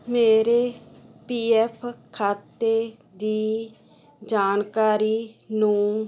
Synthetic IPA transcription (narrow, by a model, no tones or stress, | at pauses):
meːɾepiːɛːpʰkʰaːt̪eː | d̪iː | d͡ʒaːnkaːɾiːnũː